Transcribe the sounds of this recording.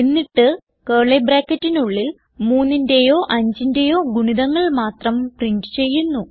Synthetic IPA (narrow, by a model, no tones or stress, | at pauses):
enːiʈːɨ | keːɭebraːkːɐtːinuɭːil | muːnːindejo̞ːʔɐɲd͡ʑindejo̞ːɡuɳiðɐŋːɐɭmaːt̪rɐmpriɳɖɨt͡ɕe̞jːunːu